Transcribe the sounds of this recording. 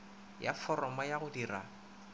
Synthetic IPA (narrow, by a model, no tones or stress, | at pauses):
ja̰fɔrɔmɔjaɣʊdira̰